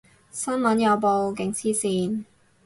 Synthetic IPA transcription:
sɐ˥nmɐ˨˥njɐ˨˧wpo˧wk̬ɪ˨˥ŋsiː˥siː˧n

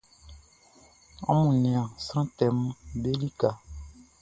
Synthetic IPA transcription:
ã̰˦mũ˨nɛ̃˨ã˨sɾ̃ã˦tɛ˨m˦be˦li˦ka˨

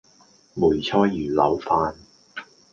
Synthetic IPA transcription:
muː˨˩jt͡ʃʰɔː˥jːyː˨˩lɐ˨˧wfaː˧n

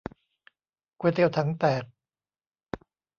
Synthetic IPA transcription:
kweː˧t̪eː˧˥˩wt̪ʰa˦˥ŋt̪ɛː˨˩t̚

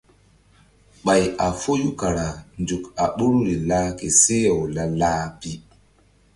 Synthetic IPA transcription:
ɓa˨ja˨fo˦ju˦ka˨ɾa˨ndu˨ka˨ɓu˦ɾu˦ɾi˨laː˦ke˨se˦ɔ˨wla˦laː˦pi˦

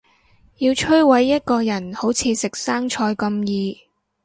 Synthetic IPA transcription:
jiː˧wt͡ʃʰɵ˥ɥwɐ˨˥jːɐ˥t̚kɔː˧jɐ˨˩nho˨˥wt͡sʰiː˨˧sɪ˨k̚saː˥ŋt͡ʃʰɔː˧jkɐ˧mjiː˧

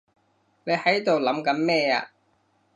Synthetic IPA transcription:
ne˨˧jhɐ˨˥jt̪o˨wlɐ˨˥mkɐ˨˥nmɛː˥˧a̰ː˧

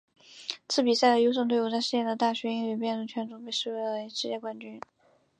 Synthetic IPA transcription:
t͡sʰɹ̩˥˩pi˨˩sa˥˩ɪə˧jo˧˥ʊʂ̬ɤ˥˩ŋt̪we˥˩ɪu˥˩t͡sa˥˧ɪʂɻ̩˥˧t͡ɕjɛ˥˩d̪ə˩t̪a˥˩ɕɥɛ˧˥i˥ŋɛ˨˩pjɛ˥˩nʈ͡ʂɤ˧˩ŋt͡ɕʰɥɛ˧˥nʈ͡ʂu˧˥pe˥˧ɪʂɻ̩˥˩we˧˥ɪlə˧˩˧ʂɻ̩˥˧t͡ɕjɛ˥˩kwa˥nt͡ɕy˥n

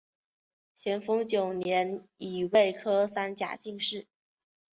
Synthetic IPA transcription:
ɕʰjɛ˧˥nfɤ˥ŋt͡ɕjo˨˩ʊnjɛ˧˥ni˨˩we˥˩ɪkʰɤ˥sa˥nt͡ɕja̰˨˩t͡ɕi˥˧ŋʂɻ̩˥˩

